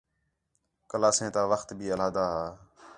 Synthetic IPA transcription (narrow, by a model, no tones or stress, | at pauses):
kəlaːsẽːt̪aːʋəxt̪bʱiːəlaːd̪aːɦaː